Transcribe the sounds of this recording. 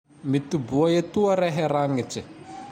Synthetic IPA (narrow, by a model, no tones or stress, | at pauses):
mit̪ubuaet̪uəɾɛɦeɾaŋiʈ͡ʂi